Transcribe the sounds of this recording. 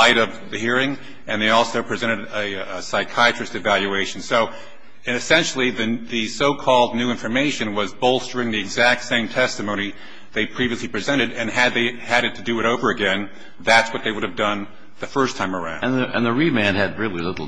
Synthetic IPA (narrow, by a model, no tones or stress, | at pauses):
aɪɾʌvðɨhiɹɪ̃ŋ | ɨ̃nðeɪɔlˠsoʊpʰɹ̥izɛ̃ɾ̃ɨɾɨsaɪkʰaɪɨt͡ʃɹ̥ɨsɨvælˠjʉeɪʃn̩soʊ | ɨsɛ̃nʃl̩ˠiðɨðɨsoʊkʰɔlˠdⁿnʉɪ̃ɱfə˞meɪʃɨ̃nwʌzboʊlˠsd̥ʊɹɪ̃ŋðiɨɡzæk̚tsẽɪ̃mtʰɛstɨmõʊ̃ni | ðeɪpʰɹ̥iviɨslipʰɹ̥izɛ̃ɾ̃ɨɾɨ̃nɨd̪̚ðeɪɨɾɨtʰɨdɨɨɾoʊvə˞ɨɡɛ̃n | ðætswʌt̪̚ðeɪwʊɾɨvdʌ̃n | ðɨfɜ˞stʰãɪ̃mə˞ã̰ʊ̃nðɨɨ̰̃nðəɹimæ̃nɨd̚ɹɪlˠilɪɾl̩ˠ